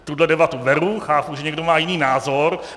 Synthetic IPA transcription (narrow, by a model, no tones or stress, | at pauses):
t̪udlɛdɛbat̪uvɛɾuxaːpuʒɛɲɛɡdomaːjɪniːnaːzoɾ